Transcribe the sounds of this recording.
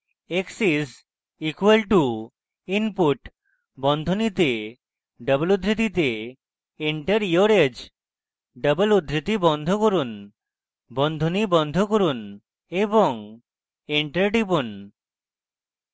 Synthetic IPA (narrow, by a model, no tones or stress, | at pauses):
eksis | ikuelʈu | inpuʈ | bɔnd̪ʱonit̪e | ɖəbəlud̪ʱɾit̪̬it̪e | iɳʈəɾioɾed͡ʑ | ɖəbəlud̪ʱɾit̪ibɔnd̪ʱokoɾun | bɔnd̪ʱonibɔnd̪ʱokoɾun | eboŋ | iɳʈəɾɖibun